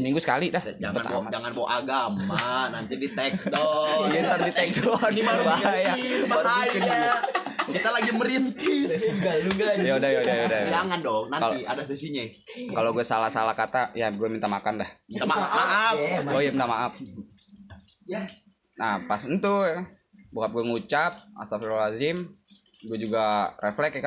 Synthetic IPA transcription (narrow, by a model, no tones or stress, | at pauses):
smiŋɡusə̥kalidad͡ʒaŋpənab̰mad͡ʒaŋanbo̰ʔaɡamanant̪idit̪ɛk̚dɔlint̪ərdit̪ɛk̚dɔnimaɾubaajabbaɾuud͡ʒaɲakit̪alaɡiməɾint̪ɪsɡauɡajadajadajadajd͡ʒaŋandɔŋnanaliadas̬isiɲa | kaloɡuɛsalahsalahkat̪ajaɡuɛmint̪amakandaht̪amaaʔafojamint̪amaʔaf̚ | napasənt̪u | bukap̚ɡuɛŋut͡ʃap̚a̰safilalazɪm | ɡuɛd͡ʒuɡareflɛkka